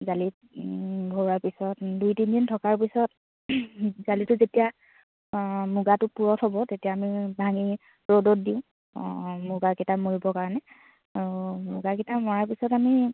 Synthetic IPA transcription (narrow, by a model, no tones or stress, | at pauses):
zali | bʱoɹaɹpisɔtdujtindintʰɔkaɹpisɔt | zalitʊzetija | mʊɡatʊpuɹɔtɦɔbɔtetijaːmibʱaŋi | ɹodɔt̚diʊ̃ | mʊɡakitamoɹibɔkaɹanɛ | aɹumʊɡaketamɔɹaɹpisɔtami